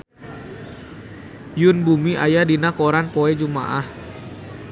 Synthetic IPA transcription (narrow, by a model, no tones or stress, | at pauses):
jʊnbumiʔajadinakoɾanpoɛd͡ʒuma̰ʔah